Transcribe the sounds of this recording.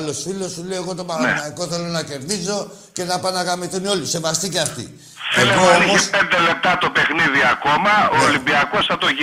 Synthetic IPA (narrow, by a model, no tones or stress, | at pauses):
lo̞sfilo̞sːuleoɣo̞t̪o̞mɐɾnɐiko̞θe̞lo̞nɐce̞ɾðizo̞ | ce̞nɐpɐnɐɣamiθunio̞lise̞vɐst̪iciɐft̪ḭ | seɣoomoispend̪e̞le̞p̚t̪ɐt̪o̞pe̞xniðiɐko̞mɐoːlimbiɐko̞sθɐt̪o̞ʝ